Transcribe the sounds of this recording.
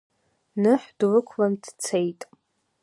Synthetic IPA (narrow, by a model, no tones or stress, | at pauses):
nɨħdlɨkʷʰlandt͡sʰejtʼ